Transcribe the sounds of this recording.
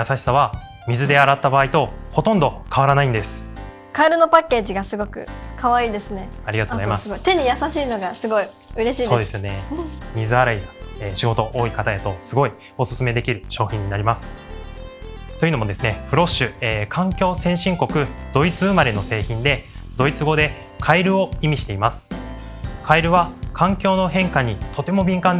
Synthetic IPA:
jasaɕi̥saβa | mʲizɨd̪e̞aɾat̪ːabaːit̪o̞ho̞t̪õ̞nd̪o̞kʰaβaɾanaĩnd̪e̞sɨ̥ | kaeɾɯno̞pakːe̞ːʑiɡasɨɡo̞kɯ̟̰kʰaβaiːd̪e̞sɨneaɾʲiɡat̪oɡzaimasoit̪e̞ɲ̟ijasaɕiːno̞ɡasɨɡo̞i | ɯ̟ɾe̞ɕiːso̞ːd̪e̞sɨjone̞mʲizɨaɾaid̪ḁeːɕiɡo̞t̪o̞ʔo̞ːikat̪ajat̪o̞sɨɡo̞i | o̞sɨ̥sɨme̞d̪e̞kʲiɾɯ̟ɕo̞ːçʲĩɲ̟ːinaɾʲimasɨ̥ | t̪ojɯ̟no̞mo̞d̪e̞sɨne̞ɸɯ̟ɾo̞ɕɨeːkʰãŋkʲo̞ːsẽ̞ɕĩŋko̞kɯ̟d̪̥o̞it͡sɨɯmaɾe̞no̞se̞ːçĩnd̪e̞d̪o̞it͡sɨɡo̞d̪e̞ | kʰaiɾɯ̟o̞imʲiɕi̥t̪e̞imasɨ̥ | kʰaiɾɯ̟βakʰãŋkʲo̞ːno̞ɦẽ̞ŋkaɲ̟it̪ʰo̞t̪e̞mo̞bʲĩŋkãn

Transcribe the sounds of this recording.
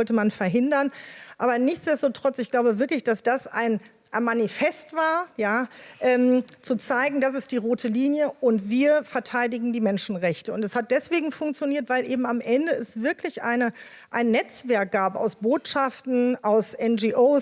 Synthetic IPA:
ɔltəmanfɛɐɦɪndɐnʔaːbɐnɪçt͡sd̥ɛstotʁ̥ɔt͡sɪçɡ̥laʊbəvɪɐklɪçd̥asd̥asa̰ɪn | ʔaɪnmanifɛstv̥aːɐjaːʔɛːmt͡sut͡saɪɡŋ̩das̬ɪstd̥iːʁoːtʰəliːnjəʔʊntviːɐfɛɐtʰaɪdɪɡŋ̩diːmɛnʃn̩ʁɛçtəʊntɛshat̚d̥ɛsv̥eːɡŋ̩fʊŋk̚t͡sjoniːɐtv̥aɪlʔeːbm̩amʔɛndəɛsv̥ɪɐklɪçʔa̰ɪnə | ʔaɪnːɛt͡sv̥ɛɐk̚ɡ̥aːpa̰ʊsb̥oːtʃaftn̩aʊsʔɛnd͡ʒiʔoː

